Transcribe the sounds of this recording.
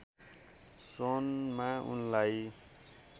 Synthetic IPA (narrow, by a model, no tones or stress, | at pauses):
sonmaṵnlaj